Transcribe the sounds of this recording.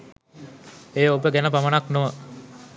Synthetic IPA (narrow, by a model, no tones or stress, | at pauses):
eːobəɡænəpamənaknoʋə